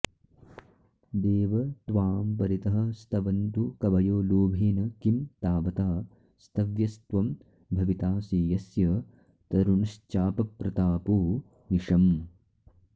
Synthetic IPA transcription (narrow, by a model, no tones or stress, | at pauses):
d̪eːʋɐt̪ʋaːmpɐɾit̪ɐɦɐ̆st̪ʰɐʋɐnt̪ukɐʋɐjoːloːbʱeːnɐkimt̪aːʋɐt̪aː | st̪ʰɐʋjɐst̪ʋɐm | bʱɐʋit̪aːsiːjɐsjɐ | t̪ɐɾunst͡ʃaːpɐpɾɐt̪aːpoː | niʂɐm